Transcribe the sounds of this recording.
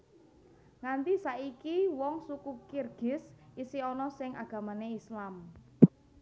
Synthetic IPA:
ŋant̪isaikiwɔŋsukukirɡ̥ɪ̤sisiɔnɔsɪŋʔaɡ̥a̤maneislam

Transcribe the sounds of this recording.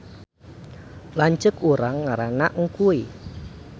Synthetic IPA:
laɲt͡ʃəkuɾaŋːaɾanaʔŋ̩kui

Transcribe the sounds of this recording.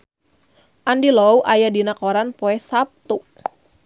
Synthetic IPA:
ʔandilouʔajadinakɔɾanpɔɛsap̚t̪u

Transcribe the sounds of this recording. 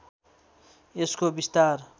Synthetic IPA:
eskobist̪ar

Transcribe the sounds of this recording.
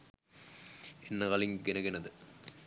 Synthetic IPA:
enːəkaliŋɡenəɡenəd̪ə

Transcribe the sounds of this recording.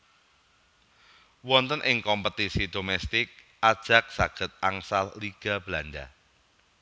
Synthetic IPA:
wɔnt̪ənʔɪŋkɔmpət̪isid̥omɛst̪ɪk̚ | ʔad̥ʒ̥ä̤k̚saɡ̥ə̤t̪̚aŋsalliɡ̥a̤b̥lanɖa̰

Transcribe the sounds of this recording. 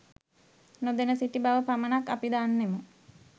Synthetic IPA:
nod̪enəsiʈibaʋəpamənakːapid̪aːnːemə

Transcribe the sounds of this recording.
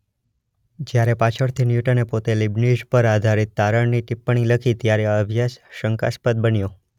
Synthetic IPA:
d͡ʒjaɾepat͡ʃʰəɽt̪ʰinjuʈənepot̪elibnid͡ʒpəɾad̪ʱaɾit̪ːaɾəɳniʈɪpːəɳ̃iləkʰit̪jaɾeəbʱjasʃəŋkaspəd̪̚bənjo

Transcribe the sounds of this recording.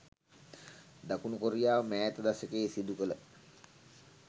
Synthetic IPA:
d̪akunukoɾijaːʋəmæːt̪əd̪asəkeːsid̪ukələ

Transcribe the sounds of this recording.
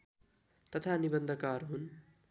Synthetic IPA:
t̪ʌt̪ʰanibʌnd̪ʱʌkarɦun

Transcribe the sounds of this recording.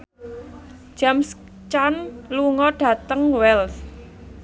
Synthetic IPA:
ʒ̥ams | t͡ʃanluŋɔɖ̥ä̤t̪əŋwɛls

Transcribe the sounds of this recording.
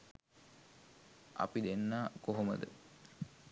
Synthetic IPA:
ɐ̰pid̪enːaːkoɦomə̰d̪ə̰

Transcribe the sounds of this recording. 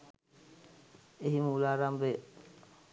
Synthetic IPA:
eɦimuulaːɾambe

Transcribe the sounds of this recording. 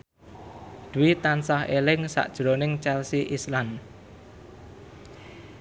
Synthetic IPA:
d̪̥uwit̪ansahelɪŋsa̰ʔd̥ʒ̥ɾonɪŋt͡ʃɛlsiʔislan

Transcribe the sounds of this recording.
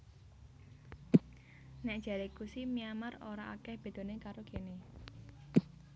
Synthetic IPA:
nɛʔd̥ʒ̥a̤ɾekusimiamaroɾaʔa̰kɛhb̥e̤d̪̥o̤nekaɾoɡ̥ene

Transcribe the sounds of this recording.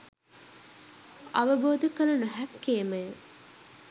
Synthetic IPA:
aʋəboːd̪əkəlɐnuɦækːeːməjə

